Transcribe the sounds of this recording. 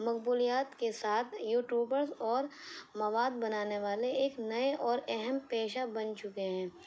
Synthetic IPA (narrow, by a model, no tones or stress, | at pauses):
mɐkbuːlijaːt̪kesaːt̪ʰjuːʈjuːbəɾzɔːɾmɐʋaːd̪̚bɐnaːneʋaːleeːknɐeʔɔːɾɛɦɛmpeːʃabɐnt͡ʃʊkeɦɛ̃ː